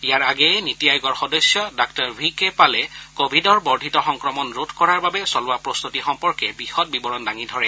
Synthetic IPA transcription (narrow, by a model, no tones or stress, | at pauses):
ijaɹaɡɛɛnitijajɔɡɔɹxɔdɔsjɔdak̚taɹbʱikɛpalɛkobʱidɔɹbɔɹdʱitɔxɔŋkɹɔmɔnɹotʰkɔɹaɹbabɛsɔlʊwapɹɔst̪utixɔmpɔɹkɛbixɔt̚bibɔɹɔndaŋidʱɔɹɛ